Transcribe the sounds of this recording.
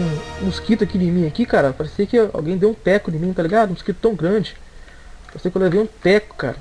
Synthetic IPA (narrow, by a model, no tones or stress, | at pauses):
ũmuskit̪ʊakinɪ̃mĩɲɐkikaɾɐpaɾesekɪa̰wɡẽj̃d̪ewũt̪ɛkʊnɪ̃mĩt̪aliɡad̪ʊũmuskit̪ʊ̥t̪ɐ̃w̃ɡɾɐ̃d͡ʒɪ | paɾsekolevẽũt̪ɛkʊ̥ka̰ɾɐ